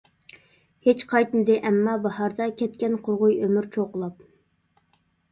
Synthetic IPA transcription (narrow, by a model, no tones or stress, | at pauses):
het͡ʃqʰɑjt̪mɪd̪ɪʔɛmːɑbɑhɑɾd̪ɑkʲɛt̪kʲɛnqʰoɾʁʊjømyɾt͡ʃʰoqəlˠɑp̚